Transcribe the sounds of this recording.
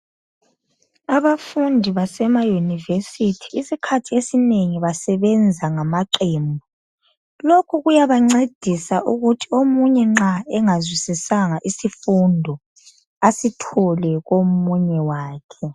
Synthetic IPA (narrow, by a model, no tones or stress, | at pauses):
aβafundʱiβasɛmajunivesitʰi̥ːsikʰatʰiesineŋiβasɛβɛnd͡zʱaŋamaǃiːmbʱɔ | lokʰuɣujaβaŋ͡ǀed̥ʱisaʔuɣutʰiomuɲɛŋ͡ǁaɛŋazwisisaŋaʔisifundʱɔ | asitʰɔlɛɣomuɲɛwaːkʰɛ